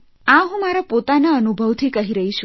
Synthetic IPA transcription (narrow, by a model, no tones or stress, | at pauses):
ãɦũmaɾapot̪anaənubʱəʋt̪ʰikəɦiɾəɦit͡ʃʰu